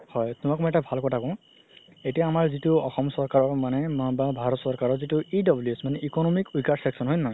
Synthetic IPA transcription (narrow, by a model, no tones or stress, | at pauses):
hɔjtʊmakmɔjɛtabʱalkɔtʰakɔ̃ | etijaːmaɹzitʊɔxɔmsɔɹkaɹɔɹmanɛmababʱaɹɔtsɔɹkaɹɔɹzitʊidɔbljusmanɛʔikɔnɔmikujkaɹsɛksɔnɦojna